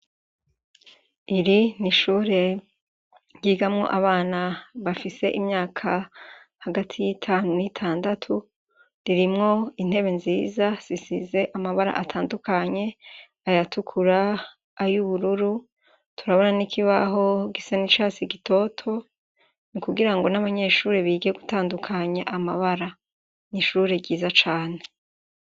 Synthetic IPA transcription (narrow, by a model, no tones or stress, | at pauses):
iɾiniʃuːɾe̞ | jiːɡamŋo̞̰ʔaβaːnaβafise̞ʔimɲaːkʰa | haɡatʰijitʰaːnunitʰaːndatʰu | ɾiɾimŋo̞in̥he̞βe̞nziːzasisize̞ʔamaβaɾa̰ʔatʰaːndukaɲe̞ | ajatukʰuɾaː | juβuɾuɾu | tʰuɾaβo̞nanikʰiβaɦo̞ɡisanit͡ʃaːsiɡitʰo̞ːtʰo̞ | nikuɡiɾaŋɡo̞naβaɲe̞ːʃuːɾeβiːɡeɡutaːndukʰaɲaʔamaβaɾa | niʃuːɾe̞ɡɟiːzat͡ʃaːne̞